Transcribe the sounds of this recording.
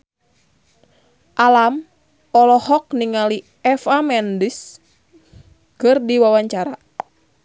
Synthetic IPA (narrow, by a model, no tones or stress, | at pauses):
ʔalam | ɔlɔhɔk̚niŋali | ɛfamɛndis | kɨrdiwawaɲt͡ʃaɾa